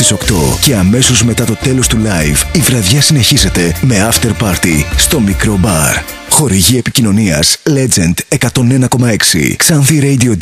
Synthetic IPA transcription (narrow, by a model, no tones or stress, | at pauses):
iso̞kt̪o̞̰ce̞ɐme̞so̞zme̞t̪ɐt̪o̞t̪e̞lo̞st̪ulɐjvivɾɐðʝɐsine̞çize̞t̪e̞me̞ɐft̪e̞ɾpɐɾt̪ist̪o̞mikɾo̞bɐɾ | xo̞ɾiʝie̞picino̞niɐ̰sle̞d͡ze̞nd̪e̞kɐt̪o̞ne̞nɐko̞mɐe̞ksḭksɐnθiɾejd̪io̞